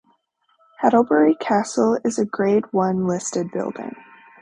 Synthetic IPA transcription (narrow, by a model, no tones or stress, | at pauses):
hɛɾl̩ˠbɛɹikʰæsl̩ˠɪzɨɡɹeɪt̚wʌ̃nlɪstɨd̚bɪ̰lˠdɪ̰̃ŋ